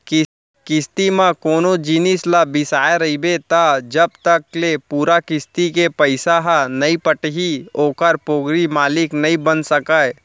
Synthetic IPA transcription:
kɪ | kɪst̪imãkoːnod͡ʒiːnɪslabɪsaːeɾɐɦibet̪ad͡ʒɐb̚t̪əklepuːɾakɪst̪ikepəɪsaɦanɐĩpəʈɦioːkəɾpoːɡɾimaːlɪknɐɦĩbənsɐkae

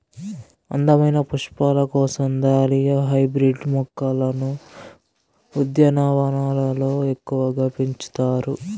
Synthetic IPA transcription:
ɐ̰nd̪ɐmɐjnɐpuʂpaːlɐkɔːsɐmd̪aːlijɐɦɐjbɾiɖmɔkːɐlɐnu | ud̪jɐnaːʋɐnaːlɐlo̞ːe̞kːuʋɐɡapiɲt͡ʃu̥t̪aːɾu

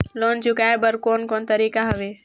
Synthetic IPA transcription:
loːnt͡ʃʊkaːebəɾkoːnkoːnt̪ɐɾiːkaɦɐʋeː

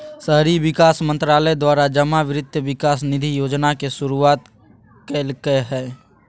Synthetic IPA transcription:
səɦɾiʋɪkaːsmə̃nt̪ɾaːləd̪waːɾad͡ʒəmaʋɪɾɪd̪ʱʋɪkaːsnɪd̪ʱijoːd͡ʒnakesʊɾuaːt̪ | keːlkəɦɛː

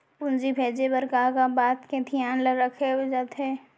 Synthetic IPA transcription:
pʊnd͡ʒibʱeːd͡ʒebəɾkaːkabaːt̪kẽt̪ʰijaːnləɾəkʰeɦod͡ʒaːt̪ɦɛː

